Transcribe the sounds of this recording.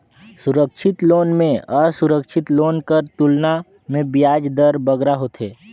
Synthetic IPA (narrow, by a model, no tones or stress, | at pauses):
sʊɾəkʃʰɪt̪loːnmẽəsʊɾəkʃʰɪt̪loːnkəɾt̪ulna | mẽbjaːd͡ʒd̪əɾbəɡɾaɦot̪ʰɦeː